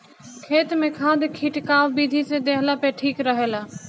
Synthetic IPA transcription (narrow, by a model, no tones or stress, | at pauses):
kʰeːt̪mẽkʰaːd̪ʱkʰiʈkaːʋbiːd̪ʱised̪eːɦlapeʈʰiːkɾəɦeːlaː